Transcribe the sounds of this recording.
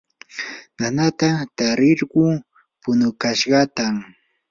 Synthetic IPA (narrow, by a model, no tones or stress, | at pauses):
nanat̪at̪aɾɪɾɢʊ | pʊnʊkaʃɢɑt̪am